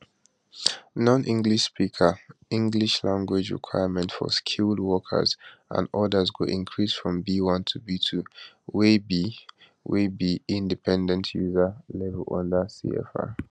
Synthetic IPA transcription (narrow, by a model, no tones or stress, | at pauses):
nɔ̃nʔĩŋɡliʃspikʰəĩŋɡliʃlãŋɡwɪd͡ʒɹḭkʰw̥aɪəmɛ̃ntfɔ̰skʰulˠd̚wɔkʰə̰zʔə̰̃nɔdəzɡoʔĩnkʰɹisfɹɔ̃mbiwɔ̃ntʰubitʰu | webi | webiĩndipʰɛ̃ndə̃ntʰjuzəlɛvəlɔ̰̃ndəsḭɛ̰fa̰